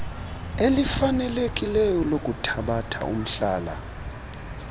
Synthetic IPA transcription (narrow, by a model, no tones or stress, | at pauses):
elifanɛlekʼilɛjɔlokʼutʰaɓatʰa̰ṵm̩ɬaːla̰